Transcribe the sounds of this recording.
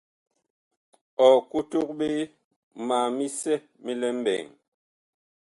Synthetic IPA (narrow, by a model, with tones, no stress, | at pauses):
ɔ˨ku˦tu˦k̚ɓe˦ | maː˨mi˦sɛ˦ | mi˦lɛ˦m̩˦bɛ̰˨ŋ